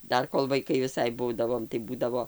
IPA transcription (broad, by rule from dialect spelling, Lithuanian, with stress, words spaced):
ˈdɐr koːlˠ ʋɐɪˈkɐɪ ʋʲɪˈsɐɪ ˈbuːdɐʋoːm tɐɪ ˈbuːdɐʋoː